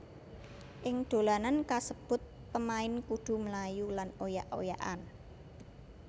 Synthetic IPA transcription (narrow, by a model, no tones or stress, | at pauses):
ʔɪŋd̪̥o̤lanankasəb̥ʊ̤t̪̚ | pəmaɪnkuɖ̪̥ṳməlajulanojaʔo̰jaʔan